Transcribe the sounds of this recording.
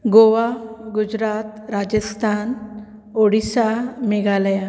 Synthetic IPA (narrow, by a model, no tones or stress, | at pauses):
ɡoʋaɡud͡ʑɾat̪ɾad͡ʑəst̪ʰan | oɽisameɡalja